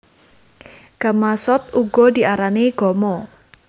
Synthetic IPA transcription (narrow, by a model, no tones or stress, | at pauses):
ɡ̥a̤masɔt̪̚uɡɔd̪i̤ʔaɾaneɡ̥ɔmɔ